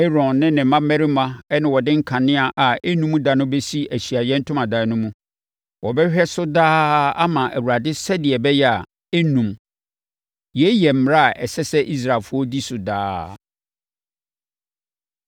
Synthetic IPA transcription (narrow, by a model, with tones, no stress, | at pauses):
ɛ˦ɾɔ̃˨nːɪ̃˦nɪ̃˨˦mã˦mɛ̃˦ɾi˦mã˨ɛ˦nɪ̃˨wɔ˨dɪ̃˦ŋ̩˦kʰã˨nɪ̃˦a˨ʔa˨e˦nũ˦mũ˦da˨nʊ̃˦be˦si˦æ˨ɕi˨a˨jɛ̃˦n̩˦tʰʊ̃˦mã˨da˨˦nʊ̃˦mũ˦ | wɔ˨bɛ˦ɕᶣɛ˦sʊ˦daː˦a˦mã˨ʔæ̰˨wu˨ɾa˨dɪ˦sɛ˦dɪ˨ɛ˨bɛ˦jɛ˦a˨ | e˦nũ˨m | jɛ˨˦jɛ˨m̩˨˦m˨ɾa˦a˨ʔɛ̰˨sɛ˦sɛ˦ʔi˦s̬ɾa˨lfʊ˦ɔ˦di˦sʊ˨da̰ː˦